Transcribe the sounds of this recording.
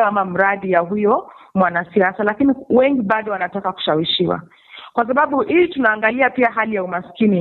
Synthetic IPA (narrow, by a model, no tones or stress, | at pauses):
amam̩ɾaɗijaɦujɔmwanasiasalakiniwɛŋɡiɓaɗɔwanatakaku̥ʃawiʃiwa̰ | kwas̬aɓaɓuʔilitunaːŋɡaliapiaɦalijaumaskini